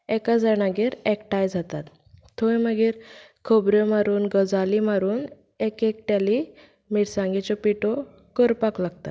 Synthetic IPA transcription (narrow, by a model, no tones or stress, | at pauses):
ɛkad͡zañaɡeɾɛkʈajd͡zʱat̪at̪ʰː | ojməɡeɾkʰɔbɾjɔmaɾuːnɡəd͡zalimaɾuːn | ekɛk̚ʈ̪jali | miʈsãŋɡet͡ɕɔpiʈɔ | kəɾpaklaɡt̪at̪